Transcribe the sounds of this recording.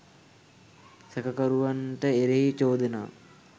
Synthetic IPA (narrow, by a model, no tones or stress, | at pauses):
sɛkəkəɾuʋanʈəeɾeɦit͡ʃoːd̪əna̰ː